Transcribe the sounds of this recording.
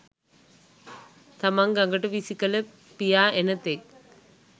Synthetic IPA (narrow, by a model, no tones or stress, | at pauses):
t̪ɐmaŋɡɐŋɡɐʈɐʋisikɐlə | pijaːʔenɐt̪ːek̚